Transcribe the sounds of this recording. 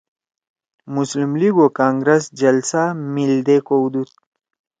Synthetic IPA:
muslimliɡokaːŋɡɾɐsd͡ʒɐlsamild̪ekowd̪ut̪̚

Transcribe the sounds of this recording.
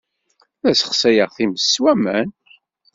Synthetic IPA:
læsə̥χsæjəʁθiməsːwæmæn

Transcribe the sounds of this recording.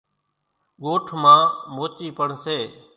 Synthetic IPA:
ɠoːʈʰmãːmoːt͡ʃiːpəɳseː

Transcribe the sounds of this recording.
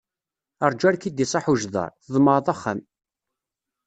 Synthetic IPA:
əɾˤd͡ʒæɾkid̪isˤɑħuʒðˤɑ̰ɾˤθəðˤmɑɾˤðˤɑχːæ̰m

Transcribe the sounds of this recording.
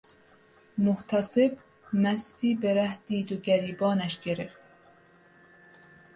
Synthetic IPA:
moht̪ʰæseb | mæst̪iːbeɾæhd̪̥iːd̪oɡæɾiːbɒːnæʃɡ̥eɾeft̪

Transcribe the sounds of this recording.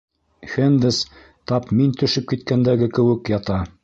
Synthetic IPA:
fend̪ɘs | t̪ɑpmint̪ɵ̆ʃɘp̚kit̪̚kænd̪æɡɘkɘ̆wɘ̆kjɑt̪ɑ

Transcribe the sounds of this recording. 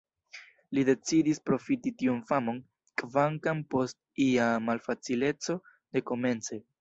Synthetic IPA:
lide̞t͡sidispɾo̞fititiunfamo̞n | kvaŋkampo̞st̚ | iamalfat͡sile̞t͡so̞ | de̞ko̞me̞nt͡se̞

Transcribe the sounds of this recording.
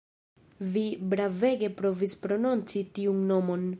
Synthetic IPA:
vibɾave̞ɡe̞pɾo̞vispɾo̞nunt͡sitiunːo̞mo̞n

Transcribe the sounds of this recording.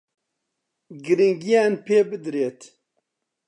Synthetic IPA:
ɡɨɾiŋɡijaːnpʰeːbɨd̪ɾeːt̪

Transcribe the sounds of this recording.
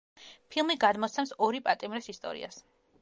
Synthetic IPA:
pʰilˠmiɡad̪mɔt̪sʰɛmsɔɾipʼat̪ʼimɾɛsist̪ʼɔ̰ɾḭa̰s

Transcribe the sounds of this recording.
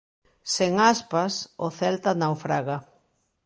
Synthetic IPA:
seŋaspasʊθɛlt̪anawfɾaɣa

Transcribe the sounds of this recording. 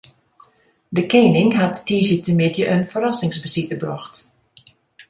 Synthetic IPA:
dəkeːnɪŋɦatːiːsitəmɪtjəʔənfəɾasɪŋsbəsitəbrɔxt

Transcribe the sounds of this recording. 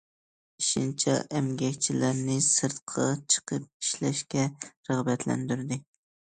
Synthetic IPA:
iʃint͡ʃʰɛ̰ʔɛmɡʲɛkʲt͡ʃʰilæɾnɪsɨɾt̪qʰɑt͡ʃʰə̥qʰəp̚iʃlɛʃkʲɛɾɨʁbɛt̪ʰlæ̰nd̪yɾd̪ɪ

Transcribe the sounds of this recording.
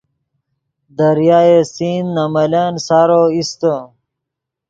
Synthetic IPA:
d̪ɐɾjaːesiːnːɐmɐlaːnsaːɾoːist̪o

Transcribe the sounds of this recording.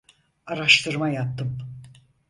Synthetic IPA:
aɾaʃt̪ʰɯɾmajat̪ːɯm

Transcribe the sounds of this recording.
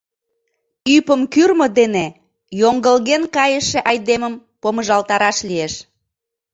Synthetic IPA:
ypəmkyrməd̪ene | joŋɡəlɣenkɑjəʃĕʔɑjd̪eməmpoməʒɑlt̪ɑɾɑʃlijeʃ

